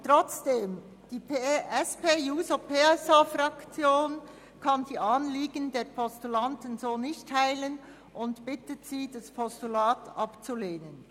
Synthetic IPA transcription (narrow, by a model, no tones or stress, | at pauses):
tʁɔt͡sd̥eːm | d̥iːpeʔɛspeːjuːsopʰeːɛsafrɑkt͡sjoːn | kʰɑndiːʔɑnliːɡəndeːɾpʰɔstulɑntən̩zoːnɪçtʰhaɪlən | ʔʊntb̥ɪtətsiːd̥ɑspʰɔstulaːtʔɑpt͡suleːnən